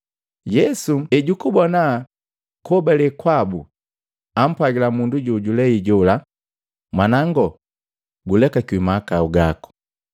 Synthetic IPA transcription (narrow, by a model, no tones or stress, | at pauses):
jɛsuɛɟukubɔna | kɔbalɛkwabu | am̩pwaɡilamunduɟuɟulɛiɟula | mwanaŋɡɔ | ɡulɛkakimakauɡakɔ̥